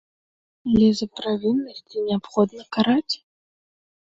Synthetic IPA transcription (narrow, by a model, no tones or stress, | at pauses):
alʲɛzɐpɾavʲinːɐsʲt͡sʲinʲɛapxɔd̪nɐkaɾat͡sʲ